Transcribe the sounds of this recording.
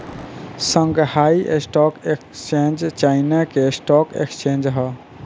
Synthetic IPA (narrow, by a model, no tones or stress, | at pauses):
sə̃ŋɡhaiʔḛsʈɔkekt͡ʃẽnd͡ʒt͡ʃainakesʈɔkḛkst͡ʃẽnd͡ʒɦə